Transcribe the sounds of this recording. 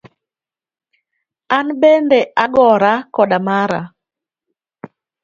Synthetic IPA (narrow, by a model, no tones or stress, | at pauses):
anɓɛndɛʔaɡɔɾakɔɗamaɾa̰